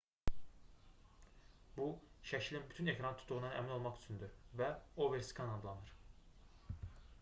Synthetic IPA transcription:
buʃæʃʰlʲinbyt̪ʰyne̞kɾant̪ʰu̥t̪ʰːuʁunɑnæ̰mino̞lˠmɑχy̥t͡ʃʰynd̪yɾvæo̞veɾskʰɑnɑd̪lˠɑnɯɾ̥

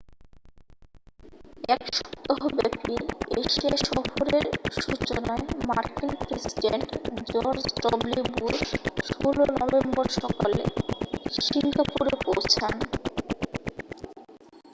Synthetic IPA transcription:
ɛkʃɔ̥t̪oɦobɛpieʃiaʃɔfoɾeɾʃut͡ɕonaemaɾkinpɾesiɖeɳʈd͡ʑɔɾd͡ʑʈɔblibuɾʃolonɔbembɔɾʃɔkalḛʃiŋɡapuɾepowt͡ɕʰan

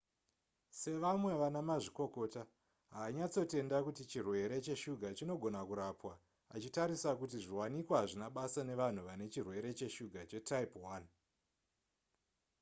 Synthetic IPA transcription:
se̞ʋamwe̞ʋanamaʐiko̞ko̞ːta | ɦaːɲat͡so̞te̞ndakutit͡ʃirwe̞ɾe̞t͡ʃe̞ʃuɡʱat͡ʃino̞ɡʱo̞nakuɾapwa | at͡ʃitaɾisakut̬iʐiwanikwaaʐinaɓasane̞ʋan̤uʋane̞t͡ʃirwe̞ɾe̞t͡ʃe̞ʃuɡʱat͡ʃe̞taipwan

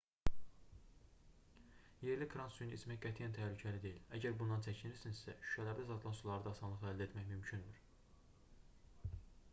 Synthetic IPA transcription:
je̞ɾlikʰɾɑnsujnismæçɡæt̪ʰijænt̪ʰæhlycʰæɾid̪e̞jilæɟæɾbund̪ɑnt͡ʃʰæcʰiniɾsinsæʃy̥ʃælæɾd̪æzɑt̪ʰlˠɑnsulˠɑɾɯd̪ɑsɑnlˠɯχæld̪æet̪ʰmæçmymcʰynd̪yɾ

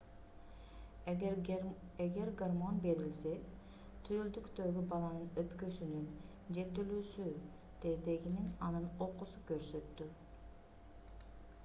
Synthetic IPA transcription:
eɡe̞ɾɡarmo̞nbe̞ɾilse | t̪ʰyøld̪ykt̪ø̞ɡybɑlˠɑnɯnøpkøsynyn | d͡ʒe̞t̪ylyːsy | d̪̥ed̪e̞ɡininɑnɯno̞qusukøɾsøt̪ːy

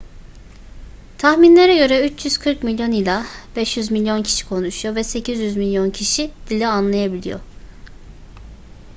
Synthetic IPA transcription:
t̪ʰaxminlʲeɾɛɟø̞ɾɛyt͡ʃʰjyz̥kʰɯɾkmilʲjo̞nilʲˠab̥ɛʃjyzmilʲjo̞ncʰi̥ʃi̥kʰo̞nuʃujovɛse̞cʰizjyzmilʲjo̞ncʰiʃid̪̥ilʲːɛanlˠajabilʲḭjo̞̰

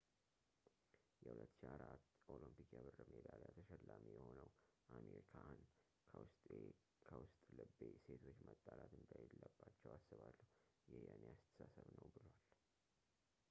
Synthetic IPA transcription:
jɛhulət̪ːʃeaɾat̪ːʔolɨmpikjabɨrːɨmed̪alat̪ʰəʃɛlːamijɛho̞nəwʔameɾikʰan | kʰəwʊst̪ʼe | kʰəwʊst̪ʼlɨbːese̞t̪ʰo̞t͡ʃːmət̪ʼːalat̪ʰɨnd̪ʰajlːəbːat͡ʃːɛwasːɨβalːəhujɛhjaneast̪ʰə̥sasəβnəwbɨlwal

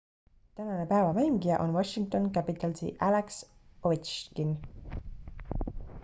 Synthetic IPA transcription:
t̪ænɑnepæevɑmejmɡijɑʔonwɑʃiŋk̚t̪o̞nkæpit̪ˑɑlsḭʔæleksovit̪t͡ʃkin

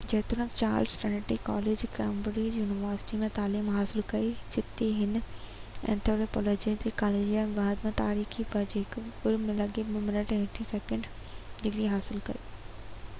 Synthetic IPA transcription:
d͡ʑɐːt̪ʊnəkt͡ɕa̰ːɾlsʈɐneʈikɔ̰ːleːd͡ʑkɛːmboɾijuːnɪʋəːɾsɪ̥ʈimẽt̪aːliːmɦaːsɪlkɐid͡ʒɪt̪iɦɪn | ɛ̰̃nt̪ʰoːɾepɔːlɔːd͡ʑilikaːleːd͡ʑijambaːd̪mẽt̪aːɾiːxʰibɐd͡ʑɦɪkʊɾmẽlɐɡebmɪnəʈɛ̃ʈʰisɛːkə̃ɳɖ | d̪ɪɡɾiɦaːsɪlkɐ̰iː

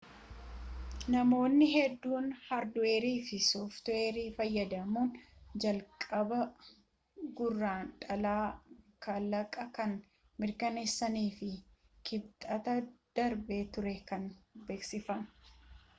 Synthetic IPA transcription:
nɐmo̞ːnːɪɦɛd̪ːuːnhɐɾd̪ʊeːɾiːfɪsɔft̪ʊeːɾiːfɐjːɐd̪ɐmuːnd͡ʒɐlkʼɐbɐ | ɡʊrːaːnᶑʼɐlaːkɐlːɐkʼɐkɐn | mɪɾkɐne̞ːsːɐniːfɪ | kʰɪb̚t̪ʼɐt̪ɐd̪̥ɐɾbe̞ːt̪ʊɾɛkɐnbe̞ːksɪfɐn

